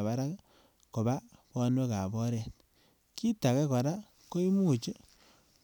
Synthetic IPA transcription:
βa˦ɾa˦k | ko˨ba˦pɔ˦nwe˦ka˨bɔ˦ɾɛ˨t̚ | ki˦ta˨kɛ˦ka˨ɾa˦ | ko˦i˦mu˦t͡ʃe˦

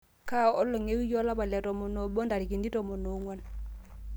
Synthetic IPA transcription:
ka˦˨ɔ˦lːɔ˨ŋe˦wi˦jɔ˦la˦pa˨lɛ˨tɔ˨mɔ˨no˨ɓɔ˦nda˨ɾi˨ki˨ndi˦tɔ˨mɔ˨no˨ŋwa˦n

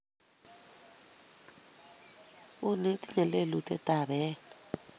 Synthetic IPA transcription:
u˦ni˦tʼi̥˦nɛ˨le˦˨lu˨tʰʼɛ̰˦tʼa˨ɓɛ˦

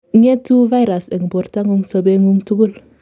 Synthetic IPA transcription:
ŋe˦tu˦va˦jɾa˨sɛ˨ŋbo˨ɾta˦ŋu˦ŋso˨˦be˦ŋu˦ŋtu˦ɡu˦l

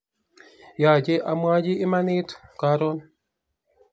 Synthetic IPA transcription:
ja˨d͡ʒe˦ʔa˦mwa˦d͡ʒiː˦ma˦ni˦tka˨˦ɾo˦n

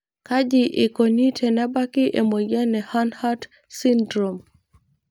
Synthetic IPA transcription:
ka˦d͡ʒi˨ʔɪ˨ko˨ni˦tʰɛ˨na˦ba˦ki˦ʔe˨mo˨ja˦nɛ˨ha˦nha˦d | si˦ndɾo˨m

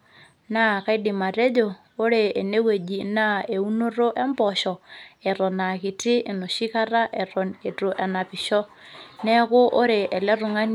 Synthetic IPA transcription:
na˦ka˦i˦di˨ma˨ɾe˦d͡ʒo˨ | o˦ɾe˨e˨ne˦we˨d͡ʒi˨na˦e˨u˦no˦ɾo˦ʔɛ˦mbɔʃɔ˨ɛ˨ɾɔ˨na˨ki˨tɪ˦e˨no˨ʃi˦ka˦ɾa˦ʔe˨ɾo˨ne˨to˨ʔɛ˨na˨pɪ˨ʃɔ˦ | nɛ˦kʊ˦ʔo˦ɾe˨ʔe˨le˦ru˨ŋa˦n

